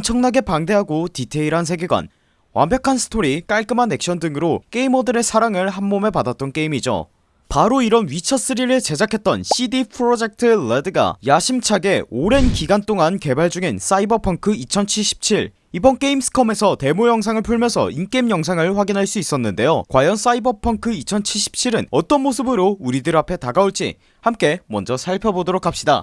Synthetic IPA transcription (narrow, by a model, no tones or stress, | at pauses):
mt͡ɕʰʌŋnaɡe̞paŋde̞ɦaɡotitʰe̞iɾɦans̬ʰe̞ɡeɡwa̰n | wa̰mbjʌkʰansʰɯ̥tʰoɾik͈aɭk͈ɯmanːe̞k̚ɕ͈ʌndɯŋɯɾok͈e̞imʌdɯɾe̞sʰaɾaŋɯɭɦanmome̞padat̚t͈ʌnk͈e̞imid͡ʑo̰ | paɾoiɾʌnɥit͡ɕʰʌs͈ɯɾiɾɯɭt͡ɕe̞d͡ʑʰakʰe̞t̚t͈ʌ̰nɕʰidipʰɯɾod͡ʑe̞k̚tʰɯledɯɡa̰jaɕʰimt͡ɕʰaɡe̞oɾe̞nkiɡant͈oŋanke̞baɭd͡ʑuŋens͈aibʌpʰʌŋkʰɯit͡ɕʰʌnt͡ɕʰiɭɕ͈ʰi̥p̚t͡ɕʰiɾ | ibʌnk͈e̞imsʰɯ̥kʰʌme̞sʰʌte̞mujʌŋs̬ʰaŋɯɭpʰuɭmjʌnsʰʌ̰ink͈emjʌŋs̬ʰaŋɯɭɸwaɡinɦaɭs͈uis͈ʌnːɯnde̞jokwajʌns͈aibʌpʰʌŋkʰɯit͡ɕʰʌnt͡ɕʰiɭɕ͈i̥p̚t͡ɕʰiɾɯnʌt͈ʌnmosʰɯbɯɾouɾidɯɾapʰe̞taɡauɭt͡ɕ͈ḭ | hamk͈e̞mwʌ̰nd͡ʑʌsʰaɭpʰjʌbodoɾokʰːap̚ɕ͈ida̰